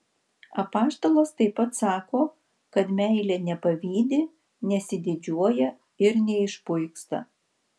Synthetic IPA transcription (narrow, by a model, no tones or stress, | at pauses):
ɐpɑːst̪oːlˠoːst̪ɐɪpːɐt̪sɑːkoː | kɐt̪mʲæˑɪlʲɛnʲɛpɐʋʲiːd̪ʲɪ | nʲɛsʲɪd̪ʲɪd͡ʒʲuɔjɛ | ɪɾnʲɛɪʃpʊɪkst̪ɐ̰